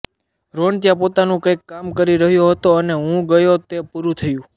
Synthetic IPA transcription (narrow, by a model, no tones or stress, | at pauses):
ɾoɳt̪ijapot̪anũkəjkːamkəɾiɾəɦjoɦət̪oəneɦũɡəjot̪epuɾũt̪ʰəjũ